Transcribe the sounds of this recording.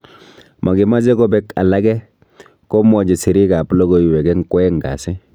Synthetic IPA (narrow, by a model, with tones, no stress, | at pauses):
mʔa˨ɡɪ˨ma˦zɛ˦kɔ˦bɛ˦ka̰˨la˦ɡɛ˦ | kɔ˦mɔ˨d͡ʒe˨si˨ɾi˦ka˨plɔ˦ɡo˦i˨wɛ˨ɡɛ˦ŋ̩˦kwɛ˦ŋ˨ɡa̰˨si˦